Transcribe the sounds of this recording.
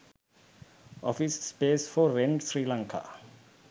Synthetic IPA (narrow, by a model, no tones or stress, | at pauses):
ʔɔ̰fisːpesfɔɹɛ̃ndsɹilãŋkʰa̰